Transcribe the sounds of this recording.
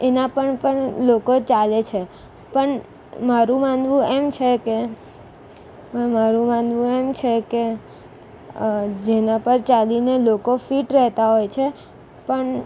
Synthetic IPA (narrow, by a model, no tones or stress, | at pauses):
enapəɳpəɳlokot͡ʃalet͡ʃʰe | pəɳ | maɾũmãnd̪ʋũemt͡ʃʰeke | mmaɾũmãnd̪ʋũemt͡ʃʰeke | d͡ʒenãpəɾt͡ʃalinelokofiʈɾɛɦt̪aɦojt͡ʃʰe | pəɳ